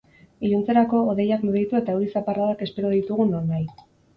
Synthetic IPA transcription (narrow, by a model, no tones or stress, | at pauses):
iʎunt͡se̞ɾako̞ːð̞e̞jakmuðit̪ue̞t̪auɾisaparaðake̞spe̞ɾo̞ðit̪uɣuno̞nːaj